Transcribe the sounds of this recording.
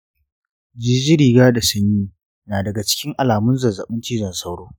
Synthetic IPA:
d͡ʒiː˦d͡ʒɪ˦ɽiː˨ɡaː˦da˨sɐ˦ɲjiː˦ | naː˨dɐ˨ɡa˨t͡ʃɪ̥˦kʲɪ˦ŋʔa˨laː˨mʊ˦nzɐ˨zɐ̰˨ɓʊ˦nt͡ʃiː˦d͡ʒɐ˨nsɐ˦wɽoː˦

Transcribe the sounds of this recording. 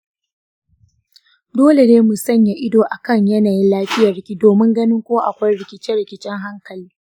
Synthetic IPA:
doː˦le˨neː˦mu˨sɐ˦˨ɲja˨ʔɪ˦doː˨ʔa˨kɐ˦˨ɲjɐ˦naː˨ji˦laː˦ɸɪ˦jɐ˨rɪ˦kʲiː˦doː˨mɪ˦ŋɡɐ˦nɪ˦ŋkʷoː˦ʔa˨kʷa˦jɾɪ˨kʲɪ˦˨t͡ʃɛ˦ɾɪ˨kʲɪ˦t͡ʃɛ˦ŋɦa˦ŋkɐ˨liː˦

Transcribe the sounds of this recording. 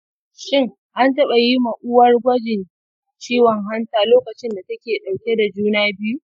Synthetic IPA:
ʃɪ˦ŋ | ʔa˦ntɐ˦ɓa˨ji˦mɐ˨ʔʊ˦wɐ˦rɡʷɐ˦d͡ʒɪ˨n | t͡ʃiː˦wɔ˨ŋɦa˦ntaː˦˨loː˦kɐ˨t͡ʃɪ˦nda˨tɐ˦kʲeː˨ɗa˨wkʲe˦da˨d͡ʒuː˦naː˦bɪ˦ju˦

